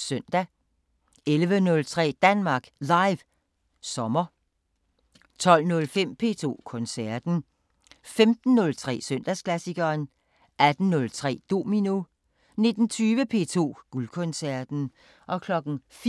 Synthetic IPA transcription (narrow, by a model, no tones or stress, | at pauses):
søn̰d̥æ | elʋənɔ̽lt͡sʰʁɛ̰ːd̥ænmɑ̈ːɡ̥lɑ̈ɪʋ | sɒ̽mɐ | t͡sʰɒ̽l̰nɔ̽lfem̰pʰe̝̰ːt͡sʰo̝̰ːkʰɔ̽nsæɐd̥n̩ | femd̥n̩ːɔ̽lt͡sʰʁɛ̰ːsøn̰d̥æskʰlæsiɡ̥ɐːn | ʔæd̥n̩ːɔ̽lt͡sʰʁɛ̰ːd̥o̝̰ːmino | ne̝d̥n̩t͡sʰyːʋəpʰe̝̰ːt͡sʰo̝̰ːɡ̥ulkʰɔ̽nsæɐd̥n̩ | ʔɒ̽kʰlɒ̽ɡ̥n̩f